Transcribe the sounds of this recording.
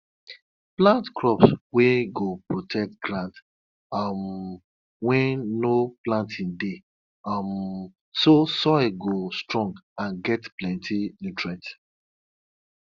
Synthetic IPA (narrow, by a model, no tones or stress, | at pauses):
plãntkɹɔpsweɡopɹotʰɛk̚tɡɹãnt | m | wɛ̃nːoplãntʰĩnde | m | sosɔɡostɹɔ̃ŋɡãnɡɛtplɛ̃ntʰilitɹɛ̃t